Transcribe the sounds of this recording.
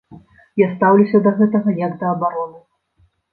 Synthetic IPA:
jast̪awlʲusʲɐd̪ɐɣɛt̪ɐɣɐjɐɡd̪ɐːbaɾɔnu

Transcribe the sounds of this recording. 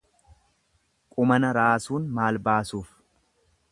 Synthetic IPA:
kʼʊmɐnɐɾaːsuːnmaːlbaːsuːf

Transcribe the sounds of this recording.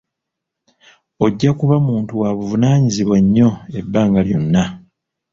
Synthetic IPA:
o̞ɟːakuβamuːntuwaβuvunaːɲiziβwaɲːo̞e̞bːaːŋɡaljo̞̰nːa

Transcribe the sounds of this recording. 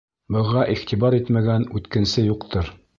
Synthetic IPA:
bɤ̆ʁɑʔiχt̪ibɑɾit̪mæɡænʉt̪kɘ̆nsɘjuqt̪ʰɤɾ

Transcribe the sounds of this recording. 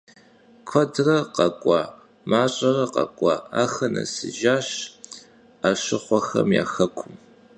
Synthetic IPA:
kʷʰɔdrɐqɐkʷʼɑː | maːɕʼɐrɐqɐ̰kʷʼɑːaːxɐnɐ̰sɨ̰ʒaːɕ | aːɕɪχʷɔxɐ̰mja̰ːxɐkʷʰʊm

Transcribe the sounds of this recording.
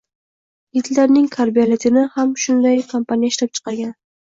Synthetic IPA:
jɪt̪laɾnɪŋkʰaɾbijalɪt̪ʰɪnɪhamʃʊnd̪ajkʰompʰanijaɪʃlap̚t͡ʃʰɨ̥qɑɾɡʲan

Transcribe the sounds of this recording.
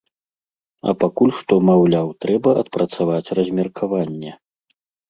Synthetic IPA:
ɐ̰pakulʲʂt̪ɔmawlʲawt̪ɾɛbɐʔɐt̪̚pɾɐt̪savat͡sʲrɐzʲmʲɛrkʰavanʲːɛ

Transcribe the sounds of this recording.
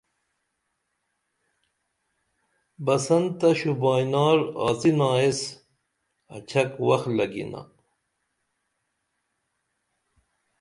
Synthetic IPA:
bɐsɐnt̪ɐɕubɑːjnɑːɾɑ̰ːt͡sinɑːes | ɐt͡ɕʰɐkwɐxlɐɡḭna̰

